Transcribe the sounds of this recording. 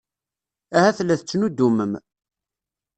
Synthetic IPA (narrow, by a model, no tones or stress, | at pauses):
æhæθlːæθət͡sːnud̪ːuməm